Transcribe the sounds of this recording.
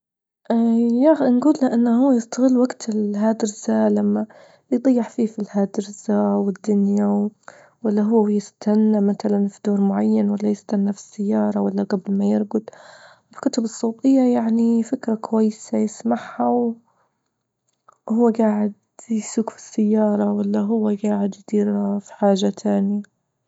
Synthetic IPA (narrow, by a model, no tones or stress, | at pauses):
ʔjaxnɡuːlːaʔɪnːahʊːjɪst̪aɣɪlːwaɡt̪ʰɪlɦaːd̪ɪɾzalamːa | jd̪ˤɑjːɪħfiːfilhaːd̪ɪɾzawɪd̪ːʊnja | walːaɦʊːjɪst̪ʰanːamat̪alanfid̪oːɾˤmʊʕajːanwalːajɪst̪anːafi̥sːajːɑːɾˤɑwalːaɡablmajɪɾɡʊd̪ | bɪkʊt̪ʊbɨsˤːoːt̪ˤɨjːajaʕnifɪkɾˤɑkʊwajːsajɪsmaʕhaw | hʊwːaɡaːʕɪd̪̚ | jsuːkfi̥sːajːɑːɾˤɑwalːaɦʊwːaɡaːʕɪd̪jd̪̥iːɾfi̥ħaːʒat̪ʰaːnja